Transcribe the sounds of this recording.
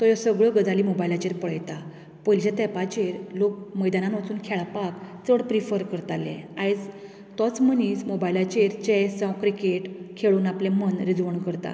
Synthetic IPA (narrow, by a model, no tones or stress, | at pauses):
t̪ɔjɔsəɡɭəɡəd͡zalimobajilat͡ɕeɾpəɭəjt̪a | pəjld͡ʑet̪ɛpat͡ɕeɾlok̚məjd̪ananʋət͡suːnkʰɛɭapakt͡səɽpɾifəɾkəɾt̪alḛ̃ajd͡z | t̪ɔt͡smənismobajlat͡ɕeɾt͡ɕesɔ̃kɾikeʈkʰeɭuːnaplemənɾid͡zʋəɳkəɾt̪a̰